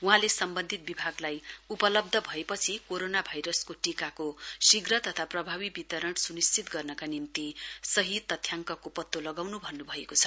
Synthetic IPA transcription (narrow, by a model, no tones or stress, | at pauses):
uɦãlesʌmbʌnd̪ʱit̪̚bibʱaɡlajupʌlʌb̚d̪ʱʌbʱʌepʌt͡sʰikoɾonabʱajɾʌskoʈikakosiɡrʌt̪ʌt̪ʰaprʌbʱaβibit̪ʌɾʌɳsunist͡sit̪ɡʌrnʌkanimt̪isʌɦit̪ːʌt̪ʰjaŋkʌkopʌt̪ːolʌɡawnubʱʌnːubʱʌekot͡sʰʌ̥